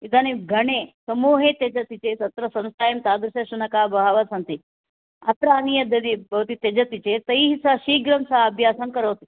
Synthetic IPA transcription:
id̪aːniɡʱɐɳeːsɐmuːɦeːt̪ed͡ʒɐt̪it͡ʃeːsɐt̪ɾɐsɐnst̪ʰaːjɐmt̪aːd̪ɾuʃɐʃunɐkaːbɐɦɐʋɐsɐnt̪i | ɐt̪ɾaːnijɐd̪ɐd̪ibʱɐʋɐt̪it̪ed͡ʒɐt̪it͡ʃeːt̪ɐjɦisaʃiːɡɾɐmsaɐbʱjaːsɐnkɐɾoːt̪i̥

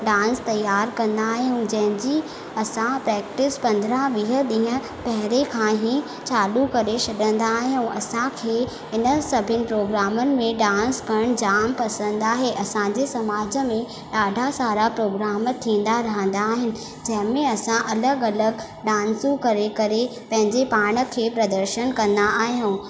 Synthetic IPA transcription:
ɖãːnst̪ɐjːaːɾkɐ̃nd̪aːɦijũd͡ʑɐ̃ɦɪ̃d͡ʑi | ɐsãpɾɛːk̚ʈɪspɐ̃nd̪ɾãʋiːɦəɗĩːɦə̃ | pɐɦɪɾekʰãːɦi | t͡ɕaːlukɐɾet͡ɕʰɐɗə̃nd̪aːɦijũʔɐsãkʰeː | ɦɪnəsɐbʱɪnɪ̆pɾoːɡɾaːmənɪ̆mẽɗãːnskɐɽ̃d͡ʑaːmpɐsə̃nd̪aːɦeʔɐsãɲd͡ʑesɐmaːd͡ʑə̆mẽ | ɗaːɖʱasaːɾapɾoːɡɾaːmət̪ʰĩːn̆d̪aɾɐɦə̃n̆d̪aːɦɪnɪ̆ | d͡ʑɐ̃ɦɪ̃mẽɐsãʔɐləɡɐləɡ | ɗãːnsũkɐɾekɐɾepɐ̃ɦɪ̃ɲd͡ʑepaːɽ̃ə̆kʰeːpɾɐd̪əɾʃənkɐ̃nd̪aʔaːɦijũː

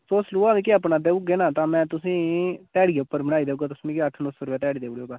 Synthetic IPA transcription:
soːsluaːdekeəpnaːd̪eːuɡeːnaːt̪ãːmɛ̃ːt̪ʊsĩːt̪ɛːɽijeʊpːəɾməɽ̃aːiːd̪eːuːɡaːt̪ʊsnĩːkeəʈʰnosʊɾʋɛːt̪ɛːɽiːd̪eːɽeoːɡaː

